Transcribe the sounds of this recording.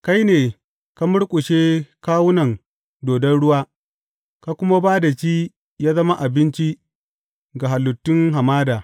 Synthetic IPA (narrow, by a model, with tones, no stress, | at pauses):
ka˦jneː˨ | ka˦mʊ˦ɽkʷʼʊ˨ʃeː˦kaː˦wʊ˦nɐ˨ŋ | doː˨dɐ˦nɽʊ˦waː˦ | ka˦kʷʊ˦ma˦baː˦da˨t͡ʃiː˦ | jaː˦zɐ˦ma˦ʔa˨bɪ˦nt͡ʃi˦ | ɡa˨ɦa˨lːʊ˨tːɪ˦ŋɦa˨maː˦daː˨